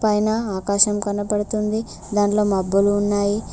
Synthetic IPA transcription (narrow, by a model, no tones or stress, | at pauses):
pɐjnɐaːkaːʃɐmkɐnɐpɐɽut̪und̪i | d̪aːɳlo̞ːmɐbːuluːnːaːji